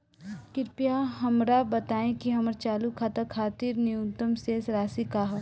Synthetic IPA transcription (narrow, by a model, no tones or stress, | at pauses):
kɪɾpijaɦɐmɾabɐt̪aːẽkiɦɐməɾt͡ʃaːlukʰaːt̪akʰaːt̪iɾnɪut̪ːəmseːsɾaːsikaːɦo